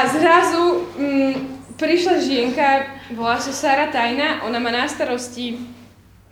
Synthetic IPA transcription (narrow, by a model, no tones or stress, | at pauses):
azɾazu | pɾiʃlaʒɪɛŋkabɔlasɔsaːɾat̪ajnaʔɔnamaːnast̪aɾɔsci